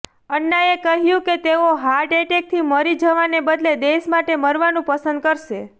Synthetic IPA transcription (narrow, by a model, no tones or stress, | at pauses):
əɳːaekəɦjũket̪eoɦaɾɖeʈek̚t̪ʰiməɾid͡ʒəʋanebəd̪led̪eʃmaʈeməɾʋanũpəsənd̪̚kəɾʃe